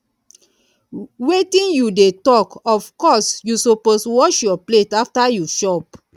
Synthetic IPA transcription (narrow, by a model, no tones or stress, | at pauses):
wetĩnjudetɔkɔfkɔsjusopostuwɔʃjɔpletaftajuʃɔp̚